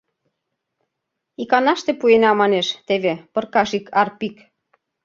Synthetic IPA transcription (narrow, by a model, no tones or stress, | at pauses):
ikɑnɑʃt̪epuenɑmɑneʃt̪eβepɤ̆rkɑʃikʰɑrpik